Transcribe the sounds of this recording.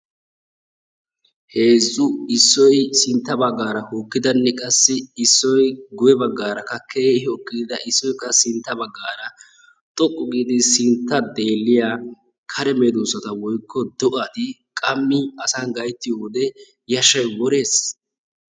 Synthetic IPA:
he̞ːzːʊɪsːɔjsɪnt̪ːɐbɐɡːaːɾɐhuːkːɪd̪ɐnːɛkʼɐsːɪːsːɔjɡʊjɛbɐɡːaːɾɐkɐkʰːeːhɔkʼːɪd̪ɐʔɪsːɔjkːɐsɪnt̪ːɐbɐɡːaːɾɐ | t̪ʼɔkʼːʊɡiːd̪ɪsɪnt̪ːɐd̪e̞ːlːɪjaː | kʰɐɾɛmeːd̪usɐt̪ɐwɔjkʰːɔd̪ɔʔaːt̪ɪkʼɐmːɪɐsanɡɐjt̪ːɪjoːd̪ɛ | jɐʃɐjwɔɾe̞ːs

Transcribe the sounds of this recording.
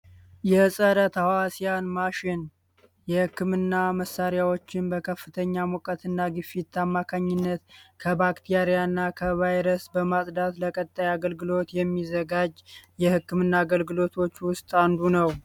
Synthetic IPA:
jɛsʼəɾət̪ʰawasijanmaʃɪn | jɛhɨkːɨmɨnːaməsaɾjawo̞t͡ʃːɪnbəkʰəfːɨt̪ʰəɲːamokʼət̪ʰɨnːaɡɨfit̪ʰːamːakʰaɲːɪnːət̪kʰəbakt̪ʰijaɾijanːakʰəvajɾəsbəmasʼd̪at̪ləkʼət̪ʼːajaɡəlɡɨlo̞t̪jɛmːizəɡad͡ʒjɛhɨkːɨmɨnːaːɡəlɡɨlo̞t̪ʰo̞t͡ʃːwʊst̪ʼand̪unəw

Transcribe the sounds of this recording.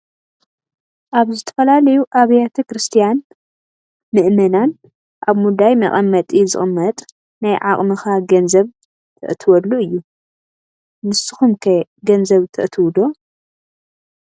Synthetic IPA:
ʔaβzɨt̪ʰɐ̥fɐlalɐjuʔaβɐjet̪ʰɐkɾɨst̪ʰijan | mɨʔmɐnan | ʔaβmud̪ajmɐ̰ʔʼɐmːɐt̪ʼizɨ̰xʼɨmːɐt̪ʼ | najʕa̰χʼmɨxaɡɐnzɐβ | t̪ʰɐ̰ʔt̪ʰɨwɐlːuʔɨjːu | nɨsɨxumkʰɐɡɐnzɐβt̪ʰɐ̰ʔt̪ʰɨwd̪o̞

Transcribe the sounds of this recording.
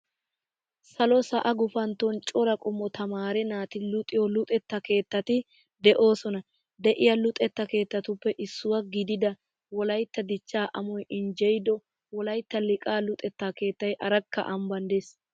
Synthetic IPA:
sɐlɔsɐʔɐɡʊfɐnt̪ːɔnt͡ʃʼɔɾɐkʼʊmːɔt̪ʰɐmaːɾɛnaːt̪ɪlʊt̪ʼɪjɔlʊt̪ʼɛt̪ːɐke̞ːt̪ːɐt̪ɪ | d̪ɛʔo̞ːsɔnɐ | d̪ɛʔɪjɐlʊt̪ʼɛt̪ːɐke̞ːt̪ːɐt̪ʊpːɛʔɪsːʊwɐɡɪd̪ɪd̪ɐ | wɔlɐjt̪ːɐd̪ɪt͡ʃːaːʔɐmɔjɪnd͡ʒɛjd̪ɔ | wɔlɐjt̪ːɐlɪkʼaːlʊt̪ʼɛt̪ːaːke̞ːt̪ːɐjʔɐɾɐkːɐ̰ʔɐmbɐnd̪es

